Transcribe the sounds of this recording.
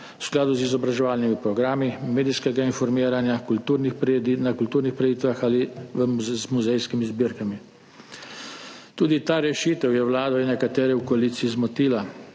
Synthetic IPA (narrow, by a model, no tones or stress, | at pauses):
ʊ̥sklaːd̪uzizɔbɾaʒɛʋaːlnimipɾɔɡɾaːmimeːd̪iskɛɡainfɔɾmiːɾanjakult̪uɾnixp̪nakult̪uːɾnixpɾɛjiːt̪ʋaxaliʋəzmuzɛjskimizbiɾkami | t̪uːd̪it̪aːɾɛʃit̪ɛwjɛwlaːd̪ɔinɛkat̪ɛːɾɛwkɔaliːt̪siizmɔt̪iːla